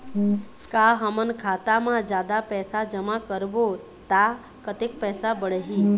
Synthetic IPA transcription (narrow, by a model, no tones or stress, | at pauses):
kaɦəmənkʰat̪amãd͡ʒad̪apɛsad͡ʒəmakəɾbo | t̪a | kət̪ik̚pɛsabəɽəɦi